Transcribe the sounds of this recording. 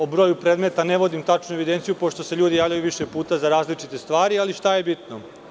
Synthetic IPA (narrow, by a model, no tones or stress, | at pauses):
obɾo̞ːjupɾed̪me̞t̪aneʋo̞d̪imt̪at͡ʃnue̞ʋid̪ent̪sijupo̞ʃt̪o̞seʎuːd̪ijaːʋʎʲajuʋiʃe̞puːt̪azaɾaːzlit͡ʃit̪e̞st̪ʋaːɾialiʃt̪ajebit̪no